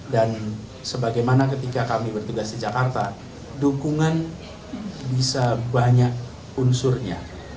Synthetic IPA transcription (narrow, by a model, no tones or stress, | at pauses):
dan | səbaɡajmanak̬ət̪ikakamibərt̪uɡasdid͡ʒakart̪a | dukuŋan | bisabaɲak̚ | unsʊrɲa̰